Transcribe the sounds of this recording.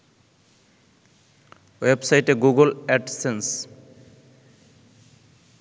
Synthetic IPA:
websajʈeɡuɡolɛʈsens

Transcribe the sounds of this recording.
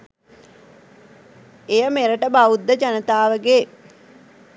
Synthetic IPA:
ejəmeɾəʈəbaud̪ːəd͡ʒanət̪aːʋəɡe

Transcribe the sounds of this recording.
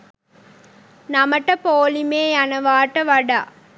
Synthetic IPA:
nɐmɐʈːɐpoːlimeːɐnɐʋaːʈːɐʋɐɽa

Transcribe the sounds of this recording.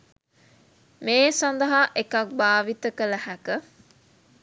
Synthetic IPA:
meːsɐnd̪ɐɦaʔekɐk̚baːʋit̪əkələhækə

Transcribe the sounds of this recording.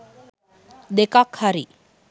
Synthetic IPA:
d̪ekakhaɾi

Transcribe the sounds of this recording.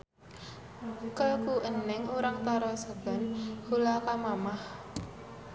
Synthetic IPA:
kəkuʔənɪŋuɾaŋt̪aɾɔsaɡ̥anhulakamamah

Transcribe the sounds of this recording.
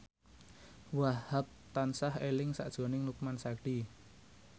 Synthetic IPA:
wahhap̚t̪ansahelɪŋsa̰ʔd̥ʒ̥o̤nɪŋnukmansaɡɖ̥i

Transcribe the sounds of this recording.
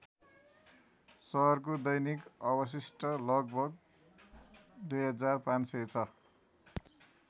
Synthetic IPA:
sʌɦʌrk̬od̪ʌjnikʌbʌs̬isʈʌlʌɡ̚bʱʌɡ̚ | d̪ujɦʌd͡zarpãnset͡sʰʌ

